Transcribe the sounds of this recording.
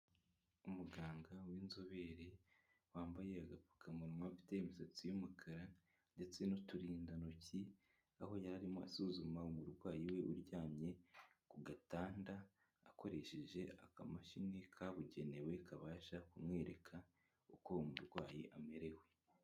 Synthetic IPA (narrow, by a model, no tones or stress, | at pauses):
umuɡaːŋɡawiːnzoβe̞ɾe | waːmbaje̞aɡapu̥kʰamuɾimafi̥te̞imisat͡sijumukʰaɾa | nde̞t͡se̞notuɾiːndanoci | aho̞jaɾaɾimoa̰suːzumaumuɾɡwaːjiwe̞ʔuɾɟaːmɲe̞kuɡataːndaː | ko̞ɾe̞ʃe̞ʒe̞a̰kamaʃinekʰaβuɟe̞ne̞we̞kʰaβaːʃakumŋe̞ːɾe̞kʰa | uko̞umuɾɡwaːjiʔameɾe̞we̞